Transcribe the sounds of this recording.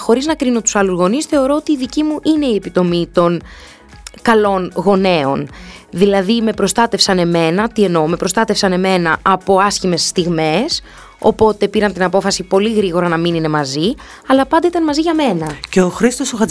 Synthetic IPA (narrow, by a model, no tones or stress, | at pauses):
xo̞ɾiznɐkɾino̞t̪u̥sɐluzɣo̞nisθe̞o̞ɾo̞ot̪iːðicimuʔine̞iepit̪o̞mit̪o̞n | kɐlo̞nɣo̞ne̞o̞̰nðilɐðime̞pɾo̞st̪ɐt̪e̞fsɐne̞me̞nɐt̪ie̞no̞me̞pɾo̞st̪ɐt̪efsɐne̞me̞nɐʔɐpo̞ɐsçime̞sːt̪iɣme̞s | o̞̰po̞t̪e̞piɾɐnt̪inɐpo̞fɐsipo̞liɣɾiɣo̞ɾɐnɐminine̞mɐzi | ɐlɐpɐnd̪ɐit̪ɐnmɐziʝɐme̞nɐceoxɾist̪o̞soxɐ